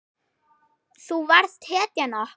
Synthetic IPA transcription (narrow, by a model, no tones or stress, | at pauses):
θuvaɾ̥st̪hɛːt̪jana